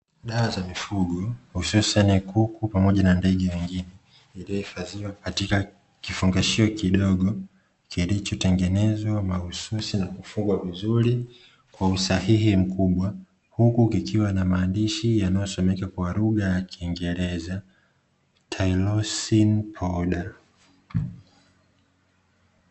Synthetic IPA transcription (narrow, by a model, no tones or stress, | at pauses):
ɗaazamifuɠɔhususanikukupamɔʄanandɛɠɛwiŋɡinɛ | ilijɔhifaziwakatika | kifuŋɡaʃiɔkiɗɔɠɔ | kilit͡ʃɔtɛŋɡɛnɛzwamahususinakufuŋɡwavizuɾi | kwausahiɦim̩kuɓwa | hukukikʰiwanamaːndiʃijanajɔsɔmɛkakwaɾuɠajakiːŋɡɛɾɛza | tʰailɔsinpʰɔɗa